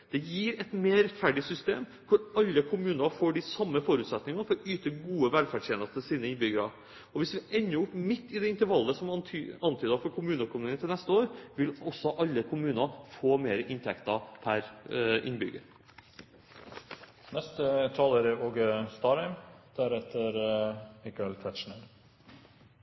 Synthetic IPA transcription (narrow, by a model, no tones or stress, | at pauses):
d̪̥ɛjiːɾɛt̪meːɾɛt̪fæɖɪsʏst̪eːmkʰʊɾɑlːəkʰʊmʉːnɑfoːɖɪsɑmːəfɔɾʉːt̪sɛt̪nɪŋɑfɔɾɔyːt̪əɡuːəʋɛlfæɖʂjeːnəst̪əsiːnəɪnbʏɡəɾɑ | ɔʋɪsʋɪɛnːəʊpmɪt̪ːɪd̪ɛɪnt̪əɾʋɑlːəsɔmʰɑnt̪ʰyːd̪əɑfɔɾkʰʊmʉːnəkʰʊmʉːnət̪ɪlnɛst̪əoːɾʋɪlɔsɔʔɑlːəkʰʊmʉːnɑfoːmeːɾəʔɪnt̪ʰɛkt̪ɑpʰæɾʔɪ̰nbʏɡə̰ | nɛst̪ət̪ʰɑːləɾəoːɡst̪ɑːɾɛɪmd̪̥æɾɛt̪əɾmɪkɑɛlt̪ʰɛt̪ʃɳəɾ